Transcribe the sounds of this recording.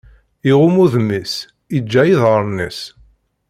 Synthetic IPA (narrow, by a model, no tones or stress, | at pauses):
iʁʊmuðmːis | id͡ʒːæjiðʁəɾˤnḭs